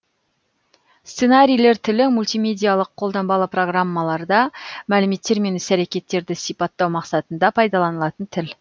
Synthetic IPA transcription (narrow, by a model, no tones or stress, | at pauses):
st̪senaɾʲijle̞ɾt̪ʰɪlɪmulʲt̪ijmʲe̞d̪ʲijalˠəqʰːo̞lˠd̪ɑmbɑlˠəpro̞ɡramːɑlˠɑɾd̪ɑmælɪme̞t̪ːe̞ɾme̞nɪsæɾekʲe̞t̪ːe̞ɾd̪ɪsipɑt̪ːɑwmɑqsɑt̪ənd̪ɑpʰɑjd̪ɑlˠɑnəlˠɑt̪ənt̪ʰɪl